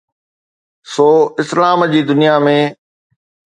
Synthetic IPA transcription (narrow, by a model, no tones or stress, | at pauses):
soːɪslaːmd͡ʑiːd̪ʊnijamẽ